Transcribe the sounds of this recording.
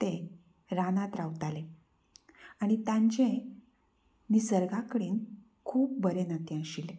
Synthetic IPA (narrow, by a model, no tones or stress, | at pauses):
t̪e | ɾanat̪ɾawt̪ale | aɽ̃it̪jãɲt͡ɕẽ | nisəɾɡakəɽiːn | kʰuːp̚bəɾenakẽəɕile